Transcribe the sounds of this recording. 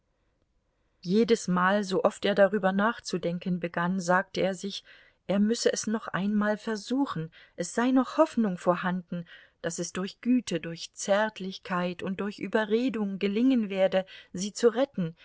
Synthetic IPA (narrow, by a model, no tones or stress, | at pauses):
jeːdəsmaːlzoːʔɔfteːɐdaʁyːbɐnaːχt͡sudɛŋkənbəɡanzaːk̚təeːɐzɪç | ʔeːɐmʏsəʔɛsnɔχʔa̰ɪnmaːlfɛɐzuːxn̩ʔɛsz̥aɪnɔχhɔfnʊŋfoːɐhandn̩ | d̥asɛsd̥ʊɐçɡ̥yːtʰədʊɐçt͡sɛɐtʰlɪçkʰaɪtʊnt̚d̥ʊɐçʔyːbɐʁeːdʊŋɡəlɪŋənveːɐdəziːt͡suʁɛtn̩